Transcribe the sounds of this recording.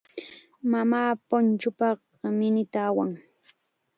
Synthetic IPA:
mamaːpʊnt͡ʃʊpɑχ | mɪnɪt̪aːwaŋ

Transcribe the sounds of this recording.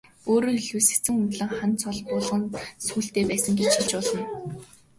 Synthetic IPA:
oːɾoːiɮuːsɘ̥̆kt͡sɘ̆ŋɵnt̪ɮɘ̆ŋχant͡sʰɔɮpʊɮʁə̆nsuːɬt̪eːpæːsə̆ŋɡet͡ɕxit͡ɕpʊɮɞ̆n

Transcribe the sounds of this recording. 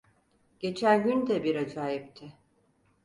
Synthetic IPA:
ɟ̥e̞t͡ʃʰænɟynd̪ɛbiɾad͡ʒaːjip̚t̪ʰɪ

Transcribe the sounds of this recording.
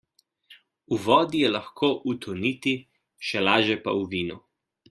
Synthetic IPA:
uʋɔːd̪ijɛlaxkʰoːʔut̪ʰɔniːt̪i | ʃɛlaːʒjɛpa̰uʋiːnu

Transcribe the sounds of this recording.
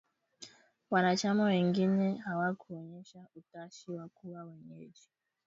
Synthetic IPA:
wanat͡ʃamawɛŋɡinɛɦawakʰuɔɲɛʃautaʃiwakuwawɛɲɛd͡ʒi

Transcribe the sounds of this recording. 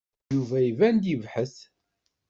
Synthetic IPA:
juvæivænd̪ivħəθ

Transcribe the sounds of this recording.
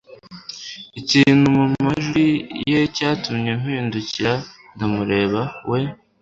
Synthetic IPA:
iciːn̥humumaʒijecaːtumɲem̥hiːnduciɾandamuɾe̞ːβawʔe̞

